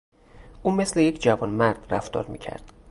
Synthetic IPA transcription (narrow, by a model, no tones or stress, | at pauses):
ʔuːmeslejecʰd͡ʒævɒːnmæɾd̪̥ræft̪ɒ̰ːɾmḭːcʰæ̰ɾd̪̥